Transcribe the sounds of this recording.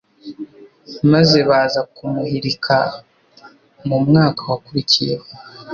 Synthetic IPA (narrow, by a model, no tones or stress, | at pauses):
maze̞βaːzakumuhiɾikʰa | mumŋaːkʰawakuɾicijeho